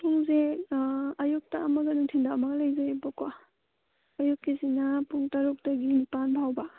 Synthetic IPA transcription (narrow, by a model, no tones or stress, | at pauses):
puŋze | ajuk̚taːmɐɡɐnuŋtʰindaːmaɡlajzebɔkwaː | jukːizinapuŋtaɾuk̚taɡinipanbaɦawba